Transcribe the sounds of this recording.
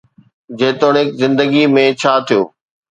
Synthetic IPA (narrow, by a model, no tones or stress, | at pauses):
d͡ʑeːt̪oːɽ̃ɪkzɪ̃nd̪əɡimẽt͡ɕʰaːt̪ʰijo̰ː